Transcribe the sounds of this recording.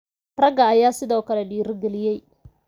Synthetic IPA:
rɐɡɐːjaːsɪðɔːkʰɐlɛɖiːrɡɛlɪjɛj

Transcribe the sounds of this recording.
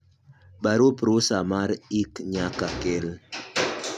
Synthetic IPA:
baɾupɾusamaɾikɲakakel

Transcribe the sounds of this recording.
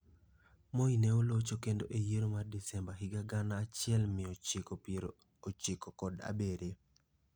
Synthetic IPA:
moinɛolot͡ʃokendoʔejeɾomardisɛmbaɦɪɡaɡanaːt͡ʃɪɛlmɪ | ɾ | ot͡ʃɪkɔkɔda̰beɾe

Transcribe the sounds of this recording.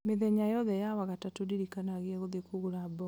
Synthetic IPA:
meðɛɲajɔðɛjawaɣatatudiɾikanaɣiɛɣoðekuɣuɾabɔ

